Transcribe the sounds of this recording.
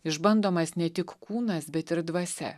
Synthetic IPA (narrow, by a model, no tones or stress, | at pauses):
ɪʒbɐnd̪oːmɐsnʲɛt̪ʲɪkkuːnɐsbʲɛt̪ɪɾd̪ʋɐsʲɛ̰